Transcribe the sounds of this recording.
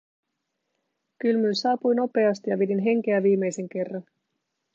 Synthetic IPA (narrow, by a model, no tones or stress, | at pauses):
kylmylsɑːpujno̞pe̞ɑst̪ijɑʋedinɦe̞ŋk̟eæʋiːmːe̞jse̞ŋk̟e̞rːɑn